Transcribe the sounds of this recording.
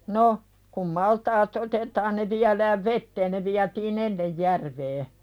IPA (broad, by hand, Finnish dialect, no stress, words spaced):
no kum mɑltɑːt otetɑːn ne ʋiælæːʋ ʋetːeːn ne ʋiætiːn enːej jærʋeː